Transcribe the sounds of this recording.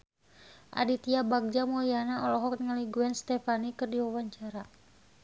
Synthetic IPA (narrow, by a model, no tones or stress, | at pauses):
ʔa̰dit̪iabaɡ̚d͡ʒamɔlianaɔlɔɦɔk̚nŋaliɡuɛnst̪ɛfanikɨrdiwawaɲt͡ʃaɾa